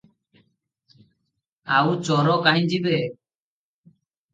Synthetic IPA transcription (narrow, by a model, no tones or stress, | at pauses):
awt͡ʃɔɾɔkaɦid͡ʒibɛ